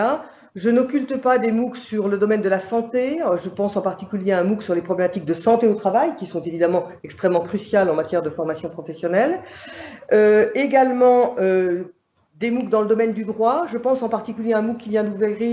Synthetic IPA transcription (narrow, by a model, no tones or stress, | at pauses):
a | ʒənɔkʲylt̪əpad̪emuksyʁləd̪ɔmɛnd̪əlasɑ̃t̪eʒəpɑ̃sɑ̃paʁt̪ikʲyljeaɛ̃muksyʁlepχɔblemat̪ik̚d̪əsɑ̃t̪eot̪χavajkʲisɔ̃t̪evid̪amɑ̃ɛkst̪χɛmːɑ̃kχysjalɑ̃mat̪jɛʁd̪əfɔʁmasjɔ̃pχɔfɛsjɔnɛl | øeɡalmɑ̃ø | d̪emukd̪ɑ̃ləd̪ɔmɛnd̪yd̪ʁwaʒəpɑ̃sɑ̃paʁt̪ikʲyljeaɛ̃mukkːivjɛ̃d̪uvʁi